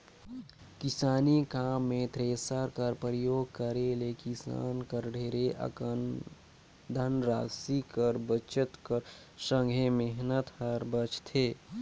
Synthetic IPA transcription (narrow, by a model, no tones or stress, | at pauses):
kɪsaːnikaːmːẽt̪ɾeːsəɾkəɾpɾəjoːɡ̚kəɾelekisa̰ːnkəɾɖʱeːɾeʔə̰ | d̪ʱənɾaːsikəɾbət͡ʃət̪kəɾ | sə̃ŋɡʱemeɦnət̪həɾbət͡ʃt̪ʰeː